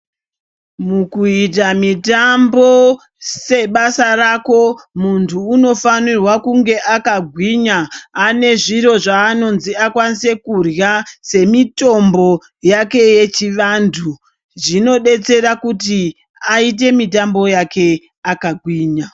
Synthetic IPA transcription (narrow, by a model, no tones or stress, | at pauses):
mukuit̬amitambo̞ | se̞ɓasaɾako̞muntʰuːno̞fanirwakuŋɡe̞ʔakaɡʱwiɲaːne̞ʐiɾo̞ʐaːno̞nziakwanise̞kurjase̞mito̞mbo̞ | jake̞je̞t͡ʃiʋandʰu | ʐino̞ɗe̞t͡se̞rakut̬i | ait̬e̞mit̬ambo̞jakʰe̞ | akaɡʱwiːɲa